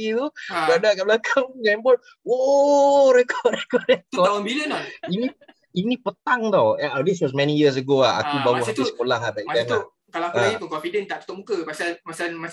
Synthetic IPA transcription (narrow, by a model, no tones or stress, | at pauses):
it̪uɡadaʔkaʔbəlakʰaŋɡampɔn | woʔɾɛkʰɔʔɛkɔʔɛk̪ɔt̪aʊnbilənt̪ɔinĩ | inĩpət̪aŋt̪ɔwadis̬wɔs̬mɛnijis̬əɡoaha̰kubaɾuaat̪isə̥kolaɦabɛʔɡɛna | kalaaaipunkɔnfidənt̪aʔt̪u̥t̪ʊʔmukəpasalmasalma